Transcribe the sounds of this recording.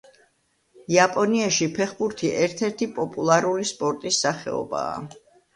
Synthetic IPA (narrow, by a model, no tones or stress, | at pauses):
iapʼɔniaʃipʰɛχbuɾt̪ʰiʔɛɾt̪ʰɛɾt̪ʰipʼɔpʼulˠaɾulispʼɔɾt̪ʼisːaχɛ̰ɔ̰ba̰ː